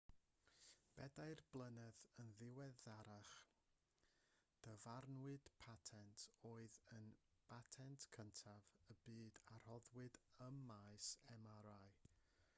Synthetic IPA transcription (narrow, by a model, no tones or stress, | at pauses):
b̥ɛdajrblˠənɛðənðɪwɛðaɾaχ | d̥əvarnwɨd̥pʰatʰɛntʰoːɨðənb̥atʰɛntʰkʰəntʰavəbɨːdar̥hɔðwɨdəmːaɨsɛmaɾaɨ